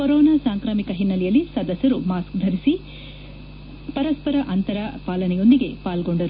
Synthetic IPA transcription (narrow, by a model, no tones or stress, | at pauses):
koɾɔːnaːsaːŋkɾaːmikɐɦinːɐlɛjɐlːisɐd̪ɐsjɐɾumaːskd̪ʱɐɾisi | pɐɾɐspɐɾɐʔɐnt̪ɐɾɐpaːlɐnɛjo̞nd̪iɡe̞paːlɡo̞ɳɖɐɾu